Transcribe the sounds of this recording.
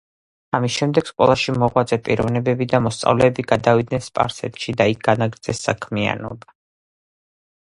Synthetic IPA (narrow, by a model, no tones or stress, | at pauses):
amisʃɛmd̪ɛksqʼwɛ̰lˠaʃimɔʁwad̪zʼɛpʼiɾɔvnɛbɛbid̪amɔst̪sʼa̰vlɛːbiɡad̪avid̪nɛnspʼa̰ɾsɛ̰t̪ʃid̪aik̚ʰɡ̥anaɡɾd̪zɛsːa̰kʰmia̰nɔ̰ba